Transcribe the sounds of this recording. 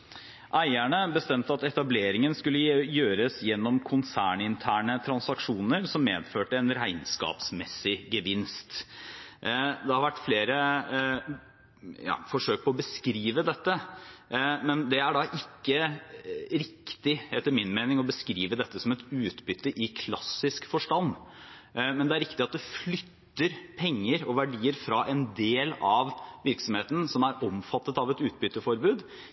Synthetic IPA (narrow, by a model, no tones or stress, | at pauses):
ʔæɪæɳəbəst̪ɛmt̪əɑt̪ɛt̪ɑbleːɾɪŋənskʉlːəjøːɾəsjɛnːɔmkʰʊnsæːɳɪnt̪ʰæːɳət̪ʰɾɑnsɑkʂuːnəɾsɔmːeːd̪føːʈəɛnɾæɪnskɑ̰ːpsmɛsːɪɡəʋɪnst̪ | d̪ɛhɑɾʋæʈːfleːɾə | jɑ̰ːfɔʂøːk̚pʰɔɔbəskɾiːʋəd̪ɛt̪ːə | mɛnd̪ɛæɖɑʔɪkːə | ɾɪkt̪ɪhɛt̪ːəɾmɪnmeɪnɪŋɔbəskɾiːʋəd̪ɛt̪ːəsɔmɛt̪ʉːt̪bʏt̪ːəʔɪkʰlɑsːɪskfɔʂʈɑnː | mɛnd̪ɛæɾɪkt̪ɪɑt̪̚d̪ɛflʏt̪ːəɾpʰɛŋːəɾɔʋæɖiːəɾfɾɑʔɛnd̪eːlɑʋʋɪɾksɔmheːt̪ən̩sɔmæɾɔmfɑt̪ːət̪ɑʋɛt̪ʉːt̪̚bʏt̪ːəfɔɾbʉːd̪